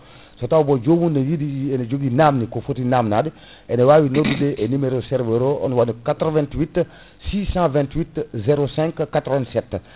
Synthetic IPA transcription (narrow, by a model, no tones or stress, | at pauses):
sotawbod͡ʒobunːɐjidiɛnad͡ʒoɡinaːmnikofotinaːmnadi | ɛnawawinodideʔenimeɾosɛɾveɾoʔonwankatɾəvɛ̃ntwit | sisãvɛ̃ntwitzeɾosɛ̃ŋkkatɾvɛ̃nsɛt